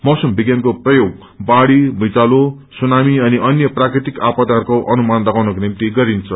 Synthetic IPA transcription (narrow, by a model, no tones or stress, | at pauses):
mʌsumbiɡjankoprʌjoɡ̚ | baɽibʱʌjt͡salo | sunamiʌniʔʌnjʌprakrit̪ikapʌt̪aɦʌrkoʔʌnumand̪ʌɡawnʌkonimt̪iɡʌɾint͡sʰʌ